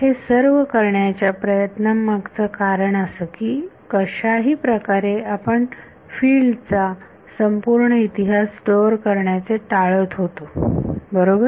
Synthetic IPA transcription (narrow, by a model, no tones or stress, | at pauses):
hesəɾʋəkəɾɳjat͡ɕjapɾəjət̪nəmːaɡt͡səːkaɾəɳəsəːkiːkəɕaɦiːpɾəkaɾeapəɳ | fiːɭɖt͡sa | səmpuɾɳəit̪iɦasʈoɾkəɾɳjat͡seʈaɭət̪ɦot̪obəɾobəɾ